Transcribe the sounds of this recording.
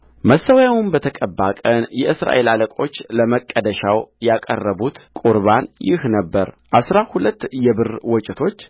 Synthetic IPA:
məsəwjawʊnbət̪ʰəkʼəbːakʼənjɛʔɨsɾa̰ʔe̞laləkʼo̞t͡ʃːləməkʼːəd̪əʃawjakʼə̰rːəbut̪kʼuɾβanjɪ̰hnəbːəɾ | ʔasɾahulət̪ːjɛbɨrwɔt͡ʃʼɪt̪ʰo̞t͡ʃː

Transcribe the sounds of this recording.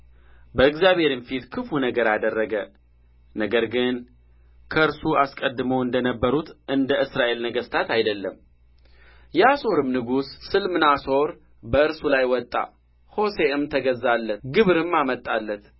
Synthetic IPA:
bəɨɡzjaβhe̞ɾɨnfit̪kʰɨfunəɡəɾad̪ərːəɡə | nəɡəɾɡɨn | kʰəɨɾsuaskʼəd̪ːɨməwɨnd̪ənəbːəɾut̪ʔɨnd̪əʔɨsɾaʔe̞lnəɡəst̪ʰat̪ajd̪əlːəm | jɛasoɾɨmnɨɡusːɨlmɨnaso̞ɾ | bəɨɾsulajwɔt̪ʼːa̰ | ho̞se̞ɨmt̪ʰəɡəzːalːət̪ɡɨβɾɨmːamət̪ʼːalːət̪

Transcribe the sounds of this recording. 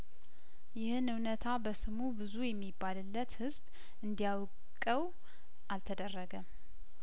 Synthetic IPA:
jɪhɨnɨwnət̪ʰabəsɨmubɨzujɛmːibːalɨlːət̪hɨzb | ɨnd̪ijaw | kʼːəw | ʔalt̪ʰəd̪ərːəɡə

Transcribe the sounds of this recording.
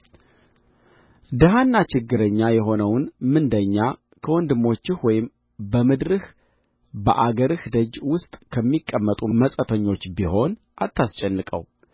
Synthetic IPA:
d̪əɦanːat͡ʃɪɡːɨɾəɲːajɛɦo̞nəwnmɨnd̪əɲːa | kʰəwɔnd̪ɨmːo̞t͡ʃːɪhwɔjɪm | bəmɨd̪ɾɨh | bə̰ʔaɡəɾɨhd̪əd͡ʒwʊst̪ʼkʰəmːikʼːəmːət̪ʼuməsʼət̪ʰəɲːo̞t͡ʃːbiho̞n | ʔat̪ʰːast͡ʃʼɛnːɨkʼə̰w

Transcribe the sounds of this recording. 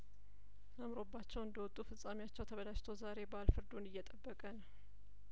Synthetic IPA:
əmɾo̞bːat͡ʃːɛwɨnd̪əwɔt̪ʼːufɨsʼamijat͡ʃːɛwt̪ʰəβəlaʃt̪ʰozaɾe̞balfɨɾd̪unɨjːɛt̪ʼəbːəkʼən

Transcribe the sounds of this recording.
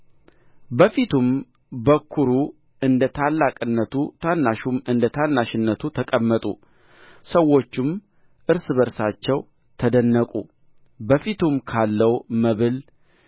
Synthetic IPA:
bəfit̪ʰum | bəkʰːuɾu | ɨnd̪ət̪ʰalːakʼɨnːət̪ʰut̪ʰanːaʃumɨnd̪ət̪ʰanːaʃɪnːət̪ʰut̪ʰəkʼəmːət̪ʼṵ | səwo̞t͡ʃːɪm | ʔɨɾsɨβəɾsat͡ʃːɛw | t̪ʰəd̪ənːəkʼṵ | bəfit̪ʰumkʰalːəwməβɨl

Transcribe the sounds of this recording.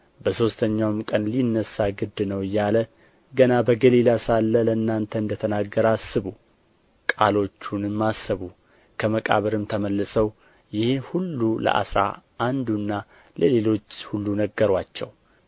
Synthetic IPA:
bəso̞st̪ʰəɲːawmkʼənlinːəsːaɡɨd̪ːnəwɨjːalə | ɡənabəɡəlilasalːələɨnːant̪ʰəɨnd̪ət̪ʰənaɡːəɾasːɨβu | kʼalo̞t͡ʃːunɨmːasːəβu | kʰəməkʼa̰βəɾɨmt̪ʰəməlːɨsəw | jɪhhulːulə̰ʔa̰sɾa̰ʔand̪unːa | ləle̞lo̞t͡ʃːhulːunəɡːəɾwat͡ʃːɛw

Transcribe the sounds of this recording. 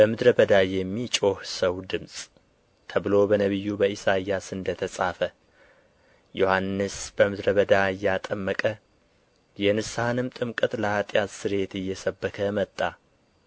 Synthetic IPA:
b̥əmɨd̪ɾəbəd̪ajɛmːit͡ʃʼo̞hsəwd̪ɨmsʼ | t̪ʰəβɨlo̞bənəβɨjːubəisaijasɨnd̪ət̪ʰəsʼafə | jo̞hanːɨsbəmɨd̪ɾəβəd̪aɨjːat̪ʼəmːəkʼə | jɛnɨsahnɨmt̪ʼɨmkʼɨt̪ʼləhat̪ʼjat̪sɨɾe̞t̪ɨjːɛsəbːəkʰəmət̪ʼːa

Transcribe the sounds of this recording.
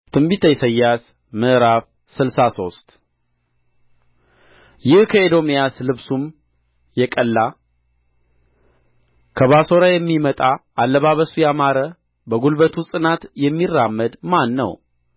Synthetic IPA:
t̪ʰɨmbit̪ʰəjsəjːas | mɨʔɾaf | sɨlsaso̞st̪ | jɪhkʰəed̪o̞mjaslɨβsum | jɛkʼəlːa | kʰəβaso̞ɾajɛmːimət̪ʼaʔalːəβaβəsujamaɾə | bəɡulbət̪ʰusʼɨnat̪jɛmːirːamːəd̪manːə̰w

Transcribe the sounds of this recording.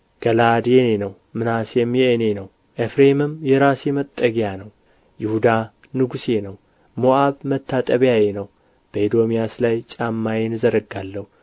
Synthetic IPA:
ɡ̥əlad̪jɛne̞nəw | mɨnasjɛmːjɛenenəw | ʔefɾemɨmjɛɾasjɛmət̪ʼːəɡjanəw | jɪhud̪a | nɨɡusjenəw | moʔaβmət̪ːat̪ʼəβjajenəw | b̥əid̪o̞mijaslajt͡ʃʼamːajenɨzəɾəɡːalːəhu

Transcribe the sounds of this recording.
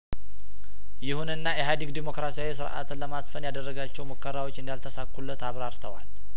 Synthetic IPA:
jɪhunɨnːajɛɦad̪iɡd̪imo̞kɾasijawisɨɾʔa̰t̪ɨnləmasfənjad̪ərːəɡat͡ʃːɛwməkːəɾawo̞t͡ʃːɨnd̪jalt̪ʰəsakːulːət̪aβɾaɾt̪ʰəwa̰l

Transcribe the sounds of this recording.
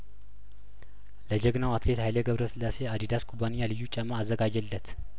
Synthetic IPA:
ləd͡ʒəɡnawat̪ʰlet̪hajləɡəβɾəsɨlːase̞ad̪id̪askʰʼubanijalɨjːut͡ʃʼəmːaazːəɡad͡ʒəlːət̪

